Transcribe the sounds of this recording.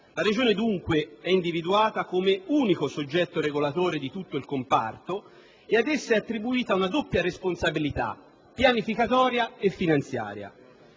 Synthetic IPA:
laɾed͡ʒoːned̪uŋkweɛind̪ivid̪uaːt̪akomeuːnikosod͡ʒːɛt̪ːoɾeɡolat̪oːɾed̪it̪ut̪ːoilkompa̰rt̪o | ead̪esːaɛat̪ːɾibuiːt̪aunad̪opːjaɾesponsabilit̪a̰ | pːjanifikat̪ɔːɾjaefːinant̪sja̰ːɾja̰

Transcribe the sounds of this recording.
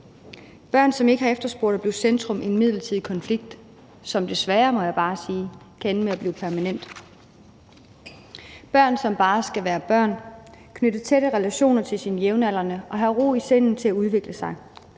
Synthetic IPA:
b̥ɶɐ̰nsɒ̽me̝ɡ̥əhɑ̈efd̥ɐsb̥oɐ̰ɾ̥æb̥le̝ʊsend̥ʁɔ̽mʔienmið̞̰ˠlɐt͡sʰið̰ˠkʰɒ̽nfliɡ̥̚d̥ | sɒ̽md̥e̝sʋæːɐmɒ̽jɑ̈ɪb̥ɑ̈ːsiː | kʰæenəmeæb̥liːpʰæɐmænen̰d̥ | b̥ɶɐ̰nsɒ̽mb̥ɑ̈ːsɡ̥æʋæːɐb̥ɶɐ̰nkʰnøɾ̥ðt͡sʰeɾ̥əʁɛlæɕo̝̰ːnɐt͡sʰe̝lsinəjeʊnæl̰ɐnəʔɒ̽ɦæʁo̝̰ːisen̰n̩t͡sʰe̝æuðˠʋe̝ɡ̥ləsɑ̈ɪ

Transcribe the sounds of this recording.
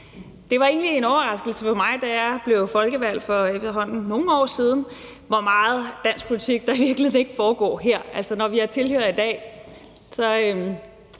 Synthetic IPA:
d̥e̝ʋɑ̈e̝̰ːn̩lie̝nɒʊɐʁɑ̈sɡ̥l̩səfɒ̽mɑ̈ɪd̥æjɑ̈b̥le̝ʊfɒ̽lɡ̥əʋæl̰fɒ̽efd̥ɐɦɒ̽n̰n̩no̝ŋ̩ɒ̰ːsiːð̞ˠn̩ | ʋɒmɑ̈ːð̞̩ˠd̥æn̰sɡ̥̚pʰolit͡sʰiɡ̥̚d̥ɑ̈iʋiɐɡ̥l̩e̝ð̰ˠne̝ɡ̥əfɒːɡ̥ɒ̰ːɦeɐ̰ælsənɒʋiæɐt͡sʰe̝lhø̰ɐð̩ˠid̥ɛ̰ː | sɒ̽øm

